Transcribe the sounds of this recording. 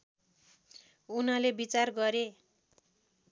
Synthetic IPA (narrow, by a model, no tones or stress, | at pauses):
unʌlebit͡sarɡʌɾe